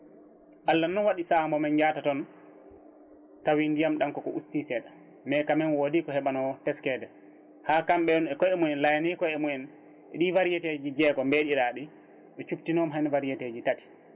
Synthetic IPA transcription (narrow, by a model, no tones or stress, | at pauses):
ʔalːanːɔwaɗisambɔmɛnd͡ʒatatɔn | tawindijamɗankɔkɔʔustisɛːɗa | mɛkamɛnwodikɔhɛɓanɔtɛskɛdɛ | haːkamɓɛɗɔnɛkɔɛmuɛnlajanikɔjɛmuɛn | ɛɗivaɾijɛted͡ʒid͡ʒɛɡɔmbeɗiɾaːɗi | ɗɔt͡ʃuptinɔmɦanvaɾijɛted͡ʒitati̥